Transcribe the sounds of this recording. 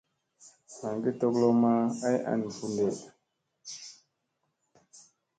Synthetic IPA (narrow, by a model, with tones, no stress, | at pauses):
a˨ŋɡi˦to˦klo˦ma˦a˦jʔa̰˨n˨fu˦nde˨